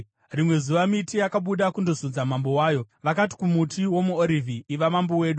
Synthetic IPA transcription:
rimwe̞zuʋamitijakaɓuɗakundozud͡zamambo̞waːjo̞ʋakat̬i̥kumutiwo̞muoɾivʱiːʋamambowe̞ːɗu

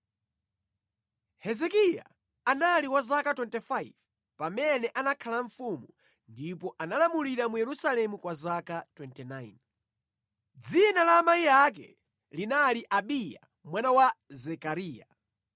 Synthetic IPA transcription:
hɛzɛkija̰ | analiwazakatwɛntɛfaiv | pamɛnɛʔanakʰalaɱfumu | ndipɔʔanalamuliɾamujɛɾusalɛmukwazakatwɛntɛnain | d͡zinalaːmaijak̬ɛ̰ | linaliʔaɓija̰ | mwanawazɛkaɾiːja

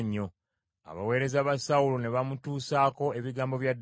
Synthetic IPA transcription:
ɲːo̞ | a̰βa̰we̞ːɾe̞zaβasaulone̞βamutuːsaːko̞e̞βiɡaːmbo̞βjad

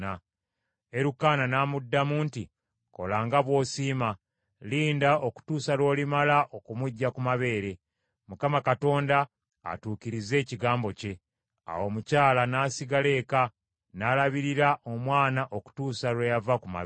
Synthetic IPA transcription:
a | e̞ɾukaːnanamudːamuːnti | ko̞̰laːŋɡaβwo̞ːsiːma | liːndao̞ku̥tuːsalwo̞ːlimalaʔo̞kumuɟːakumaβe̞ːɾe̞ | mukamakato̞ːnda̰ː | tuːkiɾize̞ːciɡaːmbo̞ce̞ | a̰wo̞mucaːlanaːsiɡale̞ːka | naːlaβiɾiɾaʔo̞mwaːnaʔo̞ku̥tuːsalwejavakuma̰

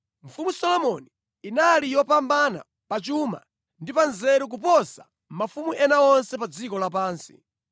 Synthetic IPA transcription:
ɱ̩fumusɔlɔmɔniː | nalijɔpambana̰ | pat͡ʃuma̰ | ndipanzɛɾuk̬up̬ɔsa | mmafumuʔɛnaɔnsɛp̬ad͡zikɔlap̬aːnsḭ

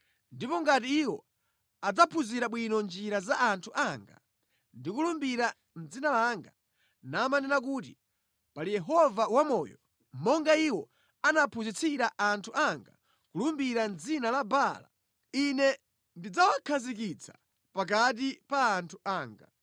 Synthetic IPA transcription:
ndipɔŋɡatiːwɔ | ad͡zapʰuziɾaɓwinɔnd͡ʒiɾazaʔːntʰuʔaŋɡa̰ | ndikulumbiɾa | n̩d͡zinalaŋɡa | namanɛnak̬ut̬i | palijɛɦɔvawamɔjɔ | mɔŋɡaiwɔ | anapʰuzit͡sʰiɾaʔantʰuʔaŋɡa̰ | kulumbiɾand͡zinalabala̰ | inɛ | ndid͡zawakʰazik̬it͡sʰḁ | pak̬at̬ipaːntʰuaːŋɡa̰

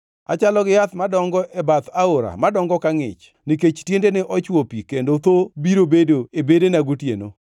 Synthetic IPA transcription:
a̰t͡ʃalɔɡɪjat̪madɔŋɡɔʔɛbat̪aoɾa̰madɔŋɡɔkaŋɪ̰t͡ʃ | niket͡ʃtjendenɪʔɔt͡ʃwopikendot̪obiɾobedoebedenaɡotjḛno̰

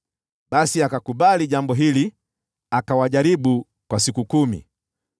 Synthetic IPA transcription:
ɓasiakakuɓaliʄambɔɦili | akawaʄaɾiɓu | kwasikukumḭ

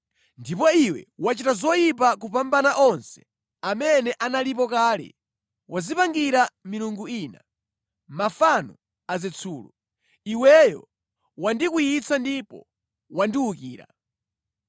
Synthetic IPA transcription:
ndipɔiwɛ̰wat͡ʃitazɔjip̬ak̬upambanaʔɔnsɛ̥ | amɛnɛʔanalip̬ɔkaːlḭ | wazipaŋɡiɾamiɾuŋɡuiːna | mafanɔ | azɛt͡sʰuːlṵ | iwɛjɔ̰ | wandikujit͡sandipɔ̰ | wandiukiːɾa̰

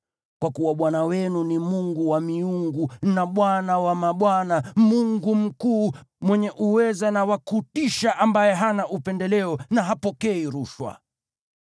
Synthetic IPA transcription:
kwakuwaɓwanawɛnunimuŋɡuwamiuŋɡunaɓwanawamaɓwanamuŋɡum̩kuːmwɛɲɛʔuwɛzanawakutiʃaʔambajɛɦanaʔupɛndɛlɛɔnaɦapɔkɛiɾuʃwa̰

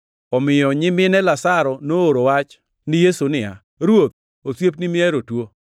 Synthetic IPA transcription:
ɔmɪjɔɲɪmɪnɛlasaɾɔnooɾowat͡ʃ | nɪjesunɪa̰ | ɾwot̪̚ | osjep̚nɪmɪɛɾotwo

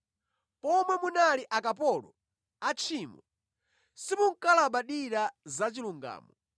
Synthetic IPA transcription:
pɔmwɛmunaliʔakapɔlɔ | at͡ʃʰiːmɔ | simuŋ̩kalaɓaɗiɾazat͡ʃiluŋɡa̰ːmɔ

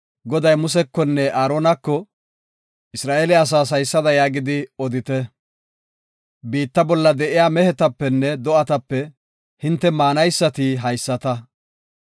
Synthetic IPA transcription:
ɡɔd̪ɐjmʊs̬ɛkːɔnːɛʔaːɾoːnɐkːɔ | ʔɪsɾaːʔeːlɛɐs̬aːs̬ɐjsːɐd̪ɐjaːɡɪd̪ɪɔd̪ɪt̪ɛ | biːt̪ːɐbɔlːɐd̪ɛʔɪjaːmɛhɛt̪ɐpːɛnːɛd̪ɔʔɐt̪ɐpːɛ | hɪnt̪ːɛmaːnɐjsːɐt̪ɪɦɐjsːɐt̪ɐ

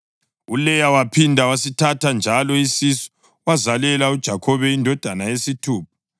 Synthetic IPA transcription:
ulɛjawapʰindʱawasitʰatʰand͡ʒʱalɔisisɔ̥ | wazalɛlaud̥ʒ̥ʱakʰɔβɛindʱɔd̥ʱanajesitʰuːp̚ʰḁ

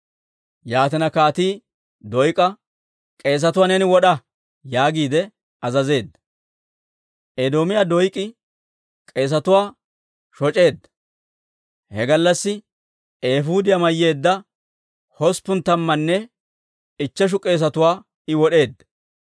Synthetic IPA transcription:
jaːt̪ɛnɐkaːt̪iː | d̪ɔjkʼɐ | kʼe̞ːs̬ɐt̪ʊwaːnɛnɪwɔɗɐ | jaːɡiːd̪ɛ | ɐzɐze̞ːd̪ːɐ | ʔed̪oːmɪjaːd̪ɔjkʼːɪ | kʼe̞ːs̬ɐt̪ʊwaː | ʃɔt͡ʃʼe̞ːd̪ːɐ | hɛ̰ɡɐlːɐsːɪ | eːfuːd̪ɪjɐmɐjːe̞ːd̪ːɐ | hɔspʊnt̪ɐmːɐnːɛ | ɪt͡ʃːɛʃ̬ʊkʼe̞ːs̬ɐt̪ʊwaː | ɪwɔɗe̞ːd̪ːɐ

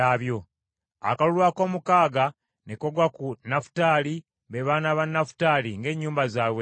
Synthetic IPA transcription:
aːβjo̞ | a̰kalulwaːko̞ːmukaːɡa | nekoɡwakunafu̥taːli | βeβaːnaβanːafu̥taːliŋɡe̞ːɲːuːmbazaːwe

